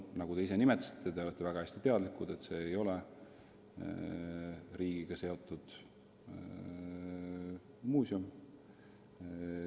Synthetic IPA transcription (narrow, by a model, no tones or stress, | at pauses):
nɑɡut̪e̞is̬e̞nimet̪ːˑɑ̥si̥t̪ʰˑːet̪e̞olet̪ːe̞væɡ̥ɑhæsʲt̪it̪e̞ɑd̪likˑud̪̥e̞t̪se̞ːjo̞le | ɾiːɡ̥iɡ̥ɑse̞o̞t̪ːˑud̪̥ | muːsjum